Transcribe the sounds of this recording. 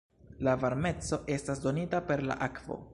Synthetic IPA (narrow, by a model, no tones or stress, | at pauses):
lavaɾme̞t͡so̞ʔe̞stasdo̞nitape̞ɾla̰ʔakv̥o̞̰